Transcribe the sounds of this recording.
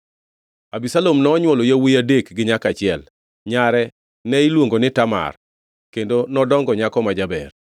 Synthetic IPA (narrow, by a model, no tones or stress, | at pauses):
abisalomnɔːɲwɔlojawijadekɡɪɲakat͡ʃɪɛl | ɲaɾɛ | nɛilwoŋɡonɪtama̰r | kendonɔdɔŋɡɔɲakɔmad͡ʒabɛ̰r